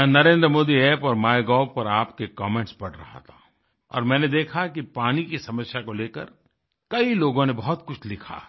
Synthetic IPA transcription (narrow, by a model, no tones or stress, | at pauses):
mɛ̃ːnɐɾẽːnd̪ɾəmoːd̪iɛːpɔːɾmaːjɡɔːbpɐɾaːpkekɔːmẽːɳʈspɐɽɾɐ̰ɦa̰t̪ʰa | ɔ̰ːɾmɛ̃ːned̪eːkʰakipaːnikisɐməsjakoleːkə̰ɾ | kɐiloːɡõnebɐɦʊt̪kʊt͡ʃʰlɪkʰa̰ː